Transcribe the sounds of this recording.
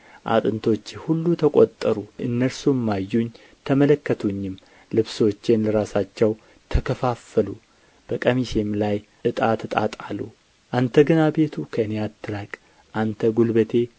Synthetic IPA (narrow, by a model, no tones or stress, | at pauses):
ʔa̰t̪ʼɨnt̪ʰo̞t͡ʃːhulːut̪ʰəkʼot̪ʼːəɾuɨnːəɾsumːajːuɲ | t̪ʰəmələkːət̪ʰuɲːɪm | lɨβswot͡ʃːenləɾasat͡ʃːɛw | t̪ʰəkʰəfafːəlu | b̥əkʼəmiʃemlaj | ɨt̪ʼat̪t̪ʼat̪ʼalːṵ | ʔant̪ʰəɡənabe̞t̪ʰukʰəɨnejat̪ːɨɾakʼ | ʔant̪ʰəɡulbət̪ʰe̞